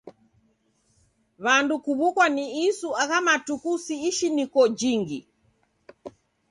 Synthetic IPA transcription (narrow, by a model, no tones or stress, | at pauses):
βandukuβukwaniisuaɣamatukusiːʃinikɔd͡ʒiŋɡḭ